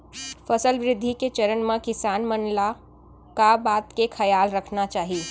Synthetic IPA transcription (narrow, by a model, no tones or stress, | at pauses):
fɐsəlʋɾɪd̪ʱːiket͡ʃɐɾənmẽkɪsaːnmənla | kabaːt̪kekʰɐjaːlɾəkʰnat͡ʃaːɦi